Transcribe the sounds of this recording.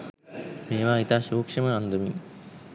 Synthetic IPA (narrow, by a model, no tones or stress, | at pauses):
meːʋaːit̪aːʃuːkʂɐməand̪əmi